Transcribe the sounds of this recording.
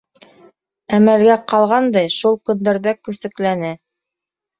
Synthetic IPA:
æmælɡæqɑlˠʁɑnd̪ɑjʃulˠkɵ̆nd̪æɾðækɵ̆sɘ̆klænæ

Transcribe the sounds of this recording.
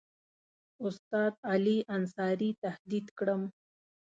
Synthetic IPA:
ʊst̪ɑːd̪aliʔansɑːɾit̪ahd̪id̪kɽəm

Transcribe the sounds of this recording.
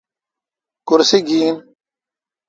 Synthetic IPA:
kʊɾsiɡiːn

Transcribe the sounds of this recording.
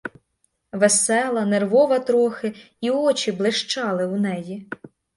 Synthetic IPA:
ʋesɛlˠɐnerʋɔʋɐt̪ɾɔxɪ | iɔt͡ʃʲiblˠeʃt͡ʃɑlˠɪʊnɛji

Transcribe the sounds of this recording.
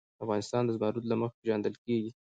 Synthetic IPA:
afɣɑnɪst̪ɑnd̪əzbɑɾut̪laməxpeʒɑnd̪əlkeɡi

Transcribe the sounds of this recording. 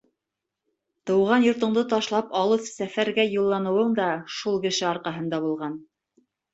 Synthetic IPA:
t̪ɤ̆wʁɑnjŏɾt̪ŏɴd̪ɤt̪ɑʃlˠɑpɑlˠɤwsæfæɾɡæjulˠːɑnɤ̆wɤɴd̪ɑʃulˠkɘ̆ʃɘɑɾqɑɦɤnd̪ɑβulˠʁɑn

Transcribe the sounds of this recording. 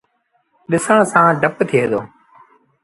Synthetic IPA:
ɗɪsəɳ̃sãːɖʱəpt̪ʰɪeːd̪oː

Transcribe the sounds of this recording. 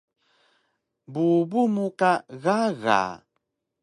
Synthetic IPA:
bubumukaɣaɣa̰

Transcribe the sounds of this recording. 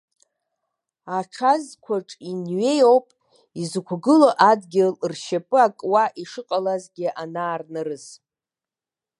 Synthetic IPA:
aʈ͡ʂʰazkʷʰaʈ͡ʂʼinɥe̞jowpʼ | izkʷʰɡɨloʔadɡʲɪlrʃapʼɨakʼwaʔiʂɨqʼalazɡʲɪʔanaːrnɨrɨs

